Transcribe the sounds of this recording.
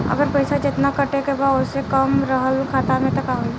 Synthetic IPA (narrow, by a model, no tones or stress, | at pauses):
ə̰ɡəɾpəɪsad͡ʒɪt̪nakəʈekebaʊsekəmɾəɦəlkʰaːt̪amẽt̪ɐkaɦoi